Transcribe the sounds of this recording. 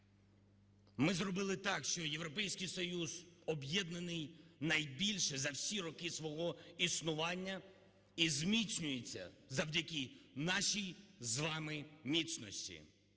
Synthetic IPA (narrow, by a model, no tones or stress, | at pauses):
mɪzrɔbɪlˠɪt̪ɑkʃt͡ʃɔjewɾɔpɛjsʲkɪjsɔjuzɔbjɛd̪nɐnɪjnɐjbʲilʲʃɛzɐwsʲiɾɔkɪsʋɔɦɔisnʊʋɑnʲːɐ | izmʲisʲnʲʊjet͡sʲːɐ̰zɐwdʲɐkʲɪnɑʃijzʋɑmɪmʲisnɔsʲtʲḭ